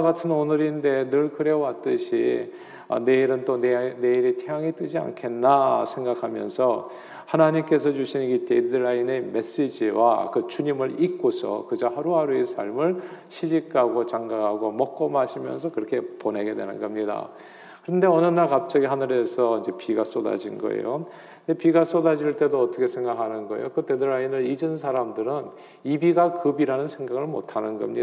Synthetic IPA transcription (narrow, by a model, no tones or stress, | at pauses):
ɡatʰɯnonɯɾinde̞nɯɭkɯɾewat͈ɯɕʰḭ | ʌ̰ne̞iɾɯnt͈onne̞iɾitʰeaŋit͈ɯɕia̰nkʰe̞nːasʰe̞ŋɡakʰamjʌ̰nsʰʌ | hanaɲimk͈e̞sʰʌt͡ɕuɕʰiniɡit͈edɯɾaineme̞s͈ed͡ʑiwa̰kɯt͡ɕuɲimɯɾik̚k͈osʰʌ̰kɯd͡ʑohaɾuɦaɾuesʰa̰ɭmɯɭɕʰid͡ʑikʰaɡot͡ɕaŋɡaaɡomʌk̚k͈ʌmaɕʰimjʌ̰nsʰʌkɯɾʌkʰe̞pone̞ɡe̞dwe̞̰nɯnɡʌmɲida̰ | kɯɾʌnde̞ʌnɯnaɭkap̚t͡ɕ͈aɡiɦanɯɾe̞sʰʌind͡ʑe̞piɡas͈oda̰d͡ʑinɡʌ̰ḛjo̰ | ndepiɡas͈odad͡ʑiɭt͈e̞doʌt͈ʰʌkʰe̞sʰe̞ŋɡakʰanɯnɡʌḛjokɯtedɯɭainɯɭid͡ʑɯns̬ʰaɾamdɯɾɯn | ibiɡakɯbiɾanɯnsʰe̞ŋɡaɡɯɭmo̰tʰanɯnɡʌ̰mɲi